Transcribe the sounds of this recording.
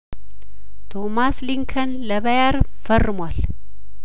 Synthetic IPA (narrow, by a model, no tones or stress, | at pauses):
t̪ʰomasliŋkʰənləβəjaɾ | fərːɨmwal